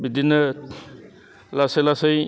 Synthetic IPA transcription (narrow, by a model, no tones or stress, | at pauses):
bid̪ʱinːə | lasajlasəj